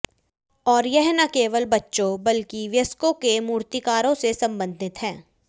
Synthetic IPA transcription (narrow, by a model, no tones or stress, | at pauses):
ɔːɾjɛɦnakeːʋəlbɐtːʃõbɐlkiʋjɐskõkemuːɾt̪ikaːɾõsesɐ̃mbə̃nd̪ʱɪt̪ɦɛ̃ː